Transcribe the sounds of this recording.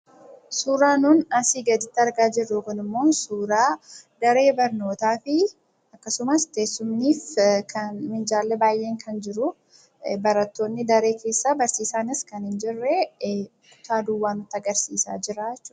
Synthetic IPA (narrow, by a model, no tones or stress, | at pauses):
suːɾaːnuːnɐsiːɡɐd̪ɪt̪ːɪɐɾɡaːd͡ʒɪrːuːkɐnɪmːo̞ːnsuːɾaːd̪ɐɾe̞ːbɐɾno̞ːt̪aːfɪ | ɐkːɐsʊmɐst̪eːsːʊmniːfkɐnmɪnd͡ʒaːlːɛbaːjʔe̞ːŋkʰɐnd͡ʒɪɾʊ | bɐɾɐt̪ːo̞ːnːɪd̪ɐɾe̞ːkʰe̞ːsːaːbɐɾsiːsaːnɪskɐnhɪnd͡ʒɪrːɛ | kʊ̥t̪aːd̪ʊwːaːnːʊt̪ːɐɡɐɾsiːsa̰ːd͡ʒɪɾaːɛt͡ʃːʊːɐ